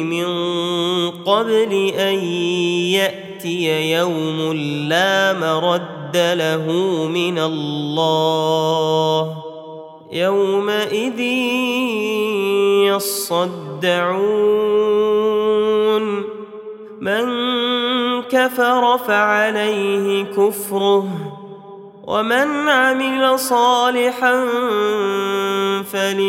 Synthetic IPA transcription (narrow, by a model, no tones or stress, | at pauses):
mɪn | qɑblɪʔanjaʔt̪ɪjajawmʊlːaːmaɾˤɑd̪ːalaɦʊmɪnalːɑː | h | jawmaʔɪðiː | jɑsˤɑd̪ːaʕu | n | man | kafɑɾˤɑfaʕalajhɪkʊfɾʊh | wʔa̰manʕamɪlasˤɑːlɪħan | falɪ